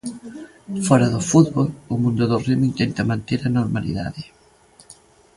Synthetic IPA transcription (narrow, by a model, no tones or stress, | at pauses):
fɔɾaðofud̪̚βolumũnd̪oðorimint̪ent̪amãnt̪eɾanoɾmalḭða̰ðe